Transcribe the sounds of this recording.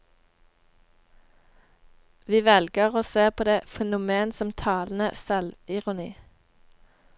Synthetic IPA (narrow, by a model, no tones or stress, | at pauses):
ʋiːʋɛlɡəʁoːseːpʰoːd̪eːfɛnʊmeːnsɔmt̪ʰɑːln̩əsɛlʋɪʁʊnḭː